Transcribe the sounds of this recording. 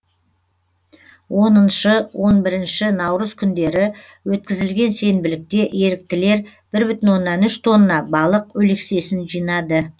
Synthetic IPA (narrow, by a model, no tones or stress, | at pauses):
wo̞nənʃəwʔo̞nbɪɾɪnʃɪnɑwɾəz̥kʲʰʏnd̪e̞ɾɪ | wɵt̪̚kʲɪzɪlɡʲe̞nse̞nbɪlɪk̚t̪e̞ʔe̞ɾɪk̚t̪ɪle̞ɾ | b̥ɪɾbʏt̪ɪnwo̞nːɑnʏʃt̪ʰo̞nːɑbɑlˠəqɵlekse̞sɪnʒijnɑd̪ə